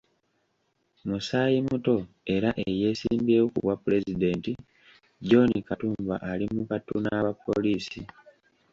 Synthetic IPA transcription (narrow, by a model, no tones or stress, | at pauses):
musaːjimuto̞ | e̞ɾaʔeje̞ːsiːmbeːwokṵβwapuɾe̞zide̞ːnti | ɟo̞nikatuːmba̰ʔalimukatːunaβapːo̞̰liːsi